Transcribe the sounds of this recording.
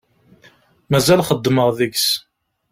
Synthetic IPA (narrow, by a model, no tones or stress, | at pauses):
mæzælχəd̪ːməʁðəɡs